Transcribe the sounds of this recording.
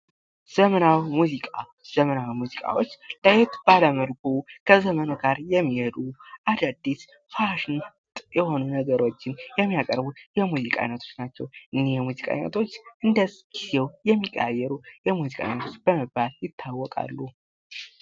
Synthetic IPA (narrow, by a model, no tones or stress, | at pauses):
z̥əmənawimuzikʼa | z̥əmənawimuzikʼa̰wot͡ʃːlajɛt̪baləməlkʰukʰəzəmənuɡaɾjɛmːihed̪uʔad̪ad̪ːis | faʃɪn | t̪ʼjɛho̞nunəɡəɾo̞t͡ʃːɪnjɛmːijakʼəɾbujɛmuzikʼa̰jnət̪ʰo̞t͡ʃːnat͡ʃːɛwʔɨnːehjɛmuzikʼa̰inə̰t̪ʰo̞t͡ʃːʔɨnd̪əzɡ̥iz̥ewjɛmːikʼːa̰jːɛɾujɛmuzikʼa̰ḭnət̪ʰo̞t͡ʃːb̥əmɨbːaljɪt̪ʰːawːɔkʼa̰lːu